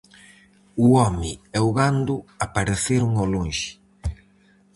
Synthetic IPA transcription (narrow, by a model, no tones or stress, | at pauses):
uɔmɪɛuɣand̪ʊapaɾeθeɾuŋoloŋʃɪ̥